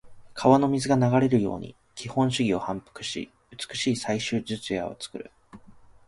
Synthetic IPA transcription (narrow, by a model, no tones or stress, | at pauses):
kʰaβano̞mʲizɨɡanaɡaɾe̞ɾɯ̟jo̞̰ːɲ̟ḭ | kʲʰihõ̞ɕɨɡʲio̞hãmpɯ̥kɯ̟̥ɕḭ | ɯt͡sɨ̥kɯ̟̥ɕiːsaiɕɨːd͡ʑɨt͡sɨja̰o̞̰t͡sɨ̥kɯ̟ɾɯ̟